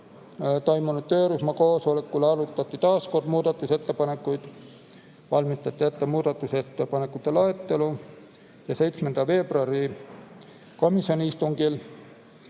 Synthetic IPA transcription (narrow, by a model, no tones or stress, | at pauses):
t̪o̞jmunud̪t̪̚t̪ø̞ːɾusmɑko̞ːsolekːˑuleɑlut̪ːˑɑt̪ˑːit̪ɑːsko̞rd̪̥muːd̪̥ɑt̪ːˑuse̞t̪ːe̞pɑne̞kːˑujd̪̥ | vɑlmist̪ɑt̪ʲːiet̪ːemuːd̪̥ɑt̪ːˑuse̞t̪ːepɑnekːˑut̪ːˑe̞lɑet̪ːe̞lu | jɑse̞jt̪smend̪̥ɑve̞ːbroɑɾi | ko̞misio̞nʲiist̪uŋɡ̥il